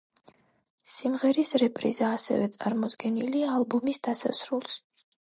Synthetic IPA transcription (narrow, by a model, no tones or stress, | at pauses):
simʁɛɾisɾɛpʼɾḭzaːsɛ̰vɛt̪sʼa̰ɾmɔd̪ɡɛniliaːlˠbɔmisd̪̥asa̰sɾulˠs